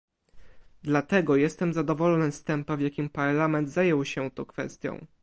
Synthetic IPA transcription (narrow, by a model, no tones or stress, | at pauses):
d̪lat̪ɛɡɔjɛst̪ɛmzad̪ɔvɔlɔnɛst̪ɛmpavʲjakʲimpaɾlamɛnd̪zajɛwɕɛt̪ɔ̰kfɛ̰st̪ʲjɔ̰̃w̃